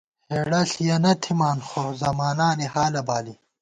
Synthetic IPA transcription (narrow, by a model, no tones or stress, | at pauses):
heːɽɐɬijɐnɐt̪ʰimaːnxozɐmaːnaːnihaːlɐbaːli